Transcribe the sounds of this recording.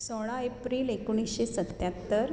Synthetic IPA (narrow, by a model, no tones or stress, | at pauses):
soɽ̃aepɾiːlekoɳ̃isɕesət̪jat̪ːəɾ